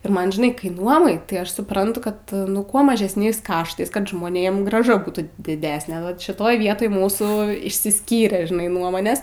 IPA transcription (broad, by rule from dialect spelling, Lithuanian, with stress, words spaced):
ɪr ˈmɐn ʒʲɪˈnɐɪ kɐɪ ˈnuɔmɐɪ tɐɪ ˈɐʃ sʊˈprɐntʊ ˈkɐt ˈkuɔ mɐʒʲɛsʲˈnʲɛɪs ˈkɑːʃtɐɪs kɐt ʒmoːˈnʲeːm ɡrɑːˈʒɐ ˈbuːtuː dʲɪˈdʲæːsʲnʲɛ ʋɐt ʃʲɪˈtoːj ˈʋʲiɛtoːj ˈmuːsuː ɪʃʲsʲɪˈsʲkʲiːrʲeː ʒʲɪˈnɐɪ ˈnuɔmoːnʲeːs